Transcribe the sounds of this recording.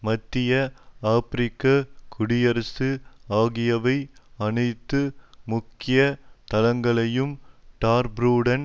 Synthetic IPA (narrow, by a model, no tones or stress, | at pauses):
mɐt̪ːɪjɐaːpɾɪkːɐkʰʊɽɪjɐɾɐsɯaːɣɪjɐʋɐɪɐnɐɪt̪ːɯmʊkːɪjɐt̪ɐlɐŋɡɐɭɐjɯmʈaːɾbɾuːɽɐn